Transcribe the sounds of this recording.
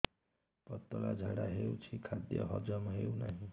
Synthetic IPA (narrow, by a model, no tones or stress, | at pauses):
pɔt̪ːɔlad͡ʒʱaɽaɦeut͡ʃʰikʰad̪jʌ̰ɦɔd͡ʒɔmɦewnaɦĩ